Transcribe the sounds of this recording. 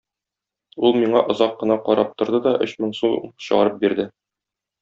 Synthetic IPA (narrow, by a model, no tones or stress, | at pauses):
ulˠmiɴɑʔŏzɑqːɤ̆nɑqɒɾɑp̚t̪ŏɾd̪ɤd̪ɒʔɵɕmɘɴsuɕɤ̆ʁɑɾɤp̚biɾd̪ɘ